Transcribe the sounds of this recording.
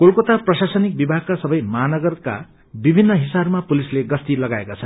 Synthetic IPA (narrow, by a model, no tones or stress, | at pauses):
kolkot̪aprʌsasʌnik̚bibʱaɡ̚kasʌbʌjmʌɦnʌɡʌrka̰ | bibʱinːʌɦisabmapulisleɡʌst̪ilʌɡaekat͡sʰʌn